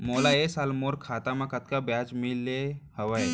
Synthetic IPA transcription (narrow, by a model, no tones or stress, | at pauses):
moːlaesalmoɾkʰaːt̪amãkɐt̪kabjat͡ʃmilːehəʋəj